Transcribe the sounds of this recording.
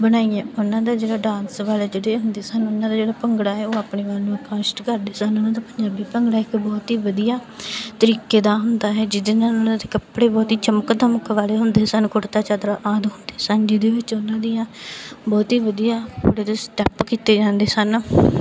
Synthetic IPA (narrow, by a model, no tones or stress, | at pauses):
bənaːiɛ̃ːʊnãːd̪aːd͡ʒeːɽaːɖãːnsʋaːlɛːd͡ʒeɽeːɦʊnd̪eːsənʊnãːd̪aːd͡ʒeːɽaːpəŋɡɽaːɦɛːoːaːpɳeːʋaːlnũːəːkãːʃʈkəɾd̪eːsənʊnãːd̪aːpəɲd͡ʒaːbiːpəŋɡɽaːɪkbɔːt̪ɦiːʋəd̪ijaːt̪əɾiːkeːd̪aːɦʊnd̪aːɦɛːd͡ʒɪd̪eːnãnãːd̪ãːd̪eːkəpɽeːbɔːt̪iːt͡ʃəməkd̪əməkʋaːleːɦʊnd̪eːsənkʊɽt̪aːt͡ʃaːd̪ɾaːʔaːd̪ɦʊnd̪eːsənd͡ʒɪd̪eːʋɪt͡ʃʊnãːd̪iːãːbɔːt̪ɦiːʋəd̪ijaːpuɽeːd̪eːsʈɛːpkiːt̪eːd͡ʒãːnd̪eːsən